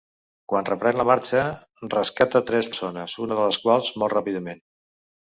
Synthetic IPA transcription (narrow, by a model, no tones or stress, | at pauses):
kwanrəpɾɛnləmaɾt͡ʃə | rəskat̪ət̪ɾɛssonəzunəðələskwalˠzmɔlˠtrapiðəmen